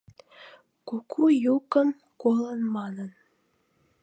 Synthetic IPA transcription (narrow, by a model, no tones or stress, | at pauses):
kokʰujukəm | kolənmɑnən